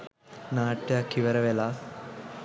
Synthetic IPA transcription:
naːʈːeɐkiʋɐɾɐʋela

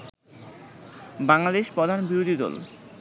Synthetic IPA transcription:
baŋlad̪eʃpɾɔd̪ʱanbiɾod̪ʱid̪ɔ̰l

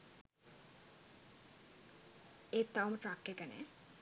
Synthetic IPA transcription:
et̪ːawmʈɾakːekɛnḛ

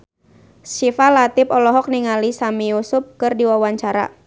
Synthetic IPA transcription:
sifalat̪ɪpɔlɔɦɔk̚niŋalisamijusʊp̚kɨrdiwawaɲt͡ʃaɾa̰

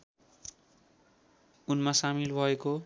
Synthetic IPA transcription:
unmasamilbʱʌeko

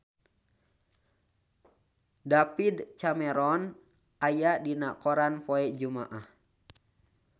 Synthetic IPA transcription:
dapidt͡ʃamɛɾɔn | ajadinakɔɾanpoɛʔd͡ʒuma̰ʔah

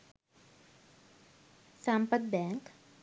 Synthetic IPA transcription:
sãmpət̪̚bɛŋk

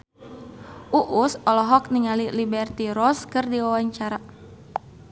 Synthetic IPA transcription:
ʔuʔusɔlɔɦɔk̚niŋalilibɛrt̪iɾɔskɨrdiwawaɲt͡ʃaɾa

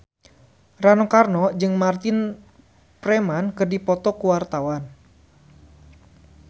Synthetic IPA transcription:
ranɔkarnɔd͡ʒɨŋmart̪ɪn | pɾɛmankɨrdipɔt̪ɔkuwart̪awan

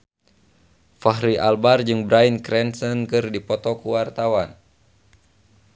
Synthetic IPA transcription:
faɦɾiʔalbard͡ʒɨŋbɾainkɾɛnsənkɨrdipɔt̪ɔkuwart̪awan

